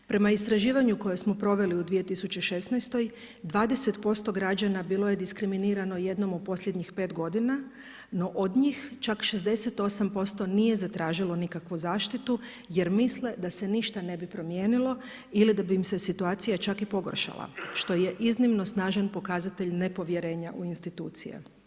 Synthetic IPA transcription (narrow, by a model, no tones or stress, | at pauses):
pɾe̞maist̪ɾaʒiːʋaɲuko̞josmo̞pɾo̞ʋe̞liud̪ʋije̞t̪isut͡ɕe̞ʃe̞snɛjst̪o̞j | d̪ʋaːd̪e̞set̪po̞st̪o̞ɡɾad͡ʑanabiːlˠo̞je̞d̪iskɾiminiːɾano̞je̞d̪no̞mod̪̚po̞sʎʲjed̪ɲixpe̞ːt̪ɡo̞d̪ina | no̞ʔod̪ɲiːxt͡ʃakʃe̞zd̪e̞set̪o̞sampo̞st̪o̞nije̞zat̪ɾaːʒilo̞nikakʋuzaːʃt̪it̪u | je̞ɾmisle̞d̪ase̞niʃt̪ane̞bipɾo̞mje̞ːnilo̞ | ilid̪abimse̞sit̪uaːt̪sijat͡ʃakipo̞ɡorʃa̰lˠa̰ʃt̪o̞je̞ʔiznimno̞snaːʒanpo̞kazat̪eʎne̞po̞ʋje̞ɾe̞ːɲaʔuinst̪it̪uːt̪sḭjḛ